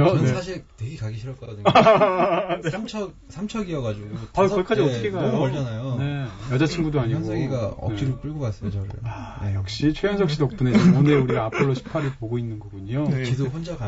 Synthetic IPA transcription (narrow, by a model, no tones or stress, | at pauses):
oneaɕʰiɭtweɡekaɡiɕʰiɾʌt̚k͈ʌdɯɲa | neamt͡ɕʰʌ | sʰamt͡ɕʰʌɡiʌɡad͡ʑuɡuakʌk͈ʰad͡ʑiʌtʰɯkʰeɡajoɭt͡ɕanajone̞jʌd͡ʑat͡ɕʰinɡudoaɲiɡnsʰeɡiɡaʌ̰et͡ɕ͈iɾop͈uɭɡʌk͈as͈ʌjoʌɾɯ̰ɭajʌk̚ɕ͈it͡ɕʰwejʌnsʰʌk̚ɕ͈ʰidʌk̚p͈uneooneuɾiɡaapʰɯɭːoɕʰi̥pʰaɾɯɭpoɡoinːɯnɡʌɡuɲot͡ɕidʰoɸond͡ʑaka